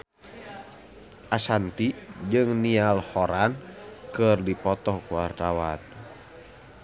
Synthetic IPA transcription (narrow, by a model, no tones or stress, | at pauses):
ʔasant̪id͡ʒɨŋnialhɔɾankɨrdipɔt̪ɔhkuwart̪awan